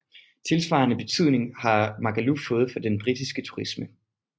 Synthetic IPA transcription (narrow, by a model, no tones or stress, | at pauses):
t͡sʰe̝lsʋɑ̈ːɐnəb̥e̝t͡sʰyð̞̰ˠne̝ŋhɑ̈mɑ̈ɡ̥ælufɔ̽ːð̞̩ˠfɒ̽d̥enb̥ʁid̥isɡ̥ət͡sʰu̥ʁismə